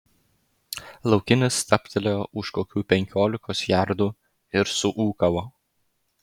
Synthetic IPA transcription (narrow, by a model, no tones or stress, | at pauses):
lˠɒʊkʲɪnʲɪst̪ɐpʲt̪ʰʲɛlʲejoʊʃkoːkʲuːpʲɛŋʲkʲoːlʲɪkoːsjæɾd̪uː | ɪɾsʊʔuːkɐʋoː